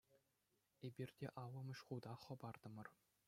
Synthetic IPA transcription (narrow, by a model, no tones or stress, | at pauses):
ebʲirʲdʲeʔɑlɤ̆mɤ̆ɕχud̪ɑχɤ̆bɑrd̪̥ɤ̆mɤ̆r